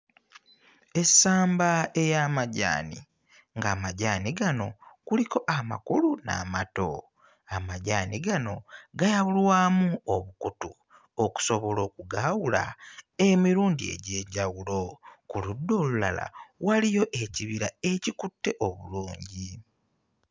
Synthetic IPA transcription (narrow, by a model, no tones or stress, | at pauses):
e̞saːmbae̞jamaɟa̰ːnḭ | ŋɡaːmaɟaːniɡano̞kuliko̞ʔama̰kuluna̰ːmato̞̰ | amaɟaːniɡano̞ɡajawulwaːmuoβukutu | oku̥so̞βo̞lo̞ːkuɡaːwula̰emiɾuːɲdie̞̰ɟeːɟawulo̞kuludːo̞ːlula̰la̰walijo̞ʔe̞ciβiɾae̞cikutːe̞ʔoβuluːɲɟi